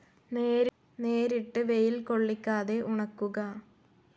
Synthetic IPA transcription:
neːɾ | neːɾiʈːɨʋe̞jilko̞ɭːikʲːaːðe̞ʔuɳɐkːuɣɐ

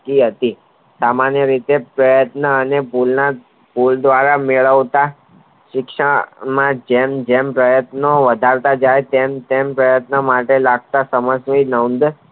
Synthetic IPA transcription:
kiɦət̪i | samanjəɾit̪epɾəjət̪nəːnepulna | puld̪ʋaɾameɭəʋt̪a | ʃɪkʃəmãd͡ʒemd͡ʒempɾəjət̪noʋəd̪ʱaɾt̪ad͡ʒajt̪emt̪empɾəjət̪nəmaʈelaɡ̚t̪asəməsʋinənd̪

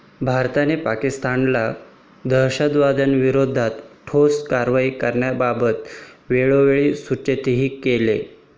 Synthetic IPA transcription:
bʱaɾt̪anepakist̪anla | d̪əɾɕəd̪ʋad̪ənʋiɾod̪ʱat̪ʈʰoskaɾʋaikəɾɳjababət̪ʋeɭoʋeɭiːsut͡ɕet̪iɦiːkelḛ

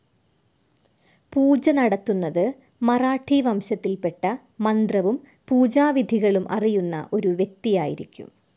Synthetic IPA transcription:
puːd͡ʑɐnɐɽɐt̪ːunːɐðɨ | mɐraːʈʰːiʋɐmɕɐt̪ːilpe̞ʈːɐ | mɐnd̪rɐʋum | puːd͡ʑaːʋid̪ʱiɣɐɭumʔɐ̰rijunːɐ̰ʔo̞ɾuʋje̞k̚t̪ijaːjiɾikʲːṵm

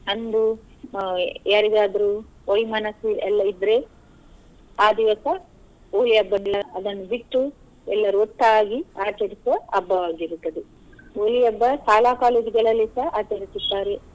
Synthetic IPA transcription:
ɐnd̪u | aɾid̪aːd̪ɐɾu | ojmɐnɐsiɛlːɐid̪ɾe | aːd̪iʋɐsɐ | oːliɐbːɐnilːɐɐd̪ɐnːubiʈːu | ɛlːɐɾuoʈːaːɡiaːt͡ʃɐɾisʋɐɐbːɐʋaːɡiɾut̪ːɐd̪e | oːlijɐbːɐsaːlaːkaːleːd͡ʒiɡɐɭɐlːisɐaːt͡ʃɐɾisid̪ːaːɾe

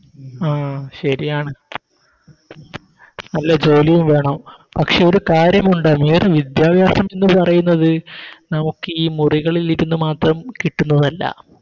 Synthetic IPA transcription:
aːɕɐɾijaːɳɨ | nɐlːɐd͡ʑo̞ːlijumʋe̞ːɳɐm | pɐkʂe̞oɾukaːɾjɐmuɳɖɐmeːrɨʋid̪jaːbjaːsɐme̞nːɨpɐrɐjunːɐðɨnɐmukːɨiːmuriɣɐɭiliɾunːumaːt̪rɐmkiʈːunːɐðɐlːɐ̰

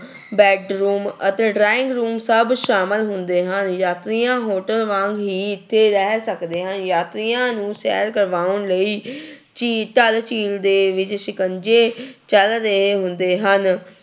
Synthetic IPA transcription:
bɛːɖɾuːmət̪eːɖɾaːɪ̃ŋɡɾuːmsəbʃaːmɪlɦʊnd̪eːɦənjaːt̪ɾijãːɦoːʈəlʋãːŋɡɦiːɪt̪ʰːeːɾɛːsəkd̪eːɦənjaːt̪ɾijãːnũːsɛ̰ːɾkəɾʋaːʊnləiː | t͡ʃiːʈəlt͡ʃiːld̪eːʋɪt͡ʃʃɪkənd͡ʒeːt͡ʃəld̪eːɦʊnd̪eːɦən

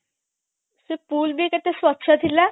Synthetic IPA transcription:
sepuːlbʱiket̪eswɐt̪ːʃʰat̪ʰila

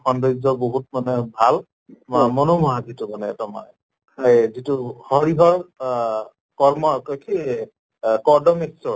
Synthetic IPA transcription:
ɔndɔzɔboɦut̚manɛbʱal | mamɔnomɔɦazitumanɛːtɔma̰ | kʰajzituhɔɹiɦɔɹ | kɔɹmɔkɔjkʰi | kɔdɔmeksɔ

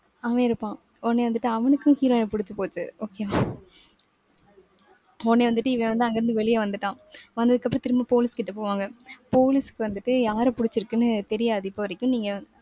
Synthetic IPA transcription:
aːʋẽːɪɾɯpːãː | ɔnːeːʋɐnd̪ɯʈːɯɐʋɐnɯkːʊ̃hiːɾoːnɐpʊɽɪt͡ʃːɯpoːt͡ʃːɯoːkema | ɔnːeːʋɐnd̪ɯʈːɯɪʋẽʋɐnd̪ɯɐŋɡɐɾɯnd̪ɯʋɛɭɪjɐʋɐnd̪ɯʈːãː | ʋɐnd̪ɐðɯkːɐpːɾɐ̃t̪ɪɾɯmapoːlɪskɪʈːɐpoːʋaːŋɡɐpoːlɪsɯ̥kːɯʋɐnd̪ɯʈːɯjaːɾɐpʊɽɪt͡ʃːɯɾɯkːɯnːɯt̪ɛɾɪjaːðɪpːoːʋɐɾɪkːʊ̃niːŋɡɐ

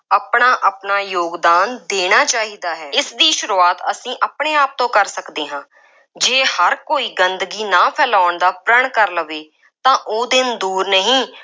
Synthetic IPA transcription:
aːpɳaːʔaːpnaːjoːɡd̪aːnd̪eːɽ̃aːt͡ʃaːɦiːd̪aːɦɛːɪsd̪iːʃʊɾuːaːt̪əsĩːʔaːpɳeːaːp̚t̪õːkəɾsəkd̪eːɦãː | d͡ʒeːhəɾkoːiːɡənd̪ɡiːnãːpʰɛːlaːɳd̪aːpɾəɳ̃kəɾləʋeː | t̪ãːʔoːd̪ɪnd̪uːɾnəɦĩː

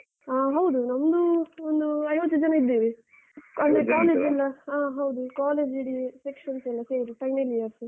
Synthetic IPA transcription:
aːɦɐwd̪unɐmd̪uond̪uɐjoːt͡ʃɐd͡ʒɐnɐid̪ːiːʋi | ɐnd̪ɾekaːleːd͡ʒɛlːɐaːɦɐwd̪ukaːleːd͡ʒiɽisekʂɐnsɛlːɐseːɾiʈɐjnɐlijɐɾs

